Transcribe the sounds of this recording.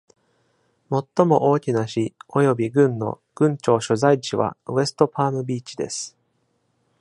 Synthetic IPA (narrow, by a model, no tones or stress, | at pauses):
mo̞t̪ːo̞mo̞ʔo̞ːkʲinaɕio̞jo̞bʲiɡɯ̟̃nːo̞̰ | ɡ̥ɯ̟̃ɲ̟t͡ɕo̞ːɕo̞zait͡ɕiβa̰e̞sɨ̥t̪o̞pʰaːmɯ̟bʲiːt͡ɕid̪e̞̰sɨ̥